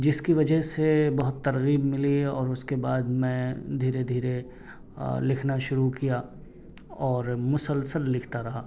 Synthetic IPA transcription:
d͡ʒɪskiʋɐd͡ʒəɦsebɐɦʊt̪ːɐɾɣiːbmɪliɔːɾʊskebaːd̪mɛ̃d̪ʱiːɾed̪ʱiːɾe | lɪkʰnaʃʊɾukija | ɔːɾmʊsəlsəlːɪkʰt̪aɾɐɦaː

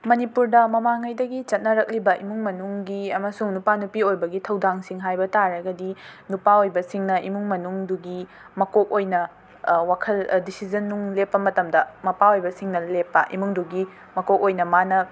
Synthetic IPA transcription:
mɐnipuɾdɐmɐmaŋɐjdɐɡit͡ʃɐt̚nɐɾɐk̚libɐʔimuŋmɐnuŋɡiɐmɐsuŋnupanupiojbɐɡitʰɐwdaŋsiŋɦajbɐtaɾɐɡɐdinupaojbɐsiŋnɐimuŋmɐnuŋduɡi | mɐkok̚ojnɐ | wakʰɐldisizɐnːuŋlepːɐmɐtɐmdɐmɐpaojbɐsiŋnɐlepːɐʔḭmuŋduɡi | mɐkok̚ojnɐmanɐ

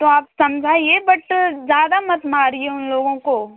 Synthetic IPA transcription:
t̪oaːpsɐmd͡ʒʱaːiebɐʈd͡ʒjaːd̪amɐt̪maːɾieʊnloːɡõkoː

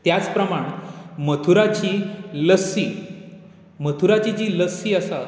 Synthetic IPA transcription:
t̪jat͡spɾəmaɽ̃mət̪ʰuɾat͡ɕiːləsiː | mət̪ʰuɾat͡ɕit͡ɕiːləsiːəsa

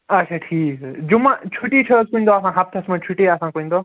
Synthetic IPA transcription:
ɐt͡ʃʰaʈʰiːkd͡ʒumat͡ʃʰuʈit͡ʃʰɐskuind̪ɔasãɦap̚t͡ʃʰasmãt͡ʃʰuʈeasãkuĩnd̪ɔ

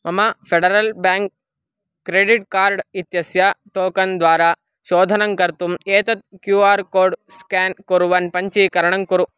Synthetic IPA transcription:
mɐmɐpʰeɖɐɾɐlbaːŋk̚ː | ɾeːɖiʈkaːɾɖit̪jɐsjaʈoːkɐnd̪ʋaːɾaː | ʃoːd̪ʱɐnɐŋkɐɾt̪umeːt̪ɐt̪̚kjuːaːɾkoːɾɖskaːnkoɾuʋɐnpɐɲt͡ʃikɐɾɐɳɐŋkuɾu

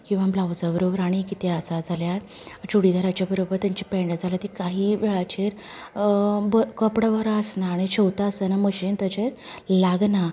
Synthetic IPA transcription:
kĩw̃ʋablawd͡zəbəɾobəɾaɽ̃ikit̪eəsad͡zʱaljaɾ | t͡ɕuɽid̪aɾat͡ɕjabəɾobəɾt̪jãɲt͡ɕipɛ̃ɳɖəd͡zʱalat̪ikaɦiːʋeɭat͡ɕeɾ | bəkəpɽəbəɾaəsnaːɽ̃iɕəwt̪aəsənaməɕiːnt̪ət͡ɕeɾ | laɡna

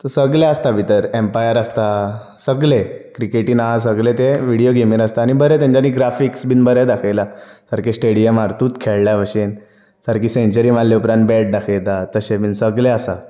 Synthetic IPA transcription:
t̪əsəɡlaəst̪abʱit̪əɾempajəɾast̪a | səɡlekɾikeʈiːnaasəɡlet̪eʋiɽijoɡʱemiːɾaəst̪aːñibəɾet̪̬jãɲt͡ɕaniːɡɾafiksbʱiːnbəɾed̪akʰajlasəɾkesʈeɽijəmaɾt̪uːt̪kʰeɭljaʋəɕen | səɾkiːsẽɲt͡ɕəɾiːmalːeupɾãnt̪̚bɛʈ̚d̪akʰəjt̪at̪əɕebʱiːnsəɡleəsa

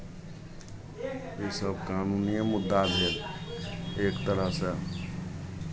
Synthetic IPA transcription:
jeːsəb̚kaːnuːnijemʊd̪ːabʱeːl | eːkt̪əɾəɦse

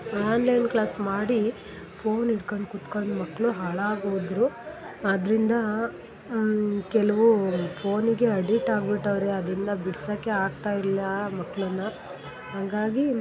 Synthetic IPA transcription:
aːnlɐjnklaːsmaːɽi | pʰoːniɽkoɳɖkut̪koɳɖmɐkːɭuɦaːɭaːɡoːd̪ɾuɐd̪ɾind̪ɐ | kɛlɐʋupʰo̞ːniɡe̞ɐɖiʈːaːɡ̚biʈːɐʋɐɾeɐd̪ɾind̪ɐbiɽsɐkːeaːɡ̚t̪aːjilːɐmɐkːɭɐnːɐ | haːɡaːɡi

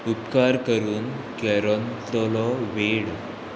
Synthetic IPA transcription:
upkaɾkəɾuːn | kɛɾɔnt̪ɔlɔʋeɽ

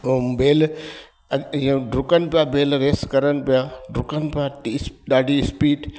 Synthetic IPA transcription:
beːl | ĩɖɾʊkənɪ̆pɪjabeːlɾeːskɐɾənɪ̆pijaɖɾʊkənɪ̆pɪjaɗaːɖʱiɪspiːʈ

